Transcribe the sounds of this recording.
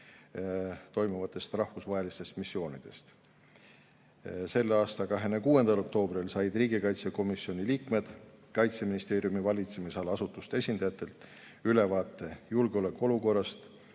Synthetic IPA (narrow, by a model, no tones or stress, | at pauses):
t̪o̞jmuvɑt̪ːˑe̞st̪rɑhvusvɑɦe̞list̪e̞st̪misːjo̞ːnid̪̥e̞̰st̪ | se̞lːeɑːst̪ɑkɑɦe̞nekuːe̞nd̪̥ɑlo̞k̚t̪o̞ːbrilsɑjd̪riːɡikɑjt̪seko̞misio̞nʲiliːkme̞d̪̥kɑjt̪seminist̪e̞ːɾijumivɑlʲit̪se̞misɑlɑsut̪ːˑust̪e̞sʲind̪̥ɑjɑt̪ːˑe̞lt̪ˑ | yle̞vɑːt̪ːˑe̞julɡ̥eo̞lekːˑoo̞luko̞rːɑst̪